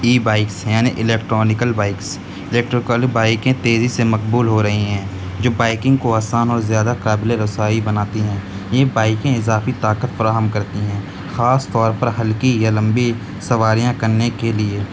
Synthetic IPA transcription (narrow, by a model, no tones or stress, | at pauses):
iːbaːɪksjaːnḭʔɪleːkʈɾɔːnɪkəlbaːɪks | ɪleːkʈɾoːkaːlibaːɪkẽt̪eːzisemɐqbuːlɦoɾɐɦiɦɛ̃ː | d͡ʒoːbaːɪkɪ̃ŋɡkoaːsaːnɔːɾzjaːd̪akaːbɪleɾʊsaːibɐnaːt̪iɦɛ̃ː | jebaːɪkẽɪzaːfit̪aːkət̪fɐɾaːɦəmkɐɾt̪iɦɛ̃ː | xaːst̪ɔːɾpɐɾɦɐlkijalɐ̃mbi | sɐʋaːɾijãkɐɾnekelieː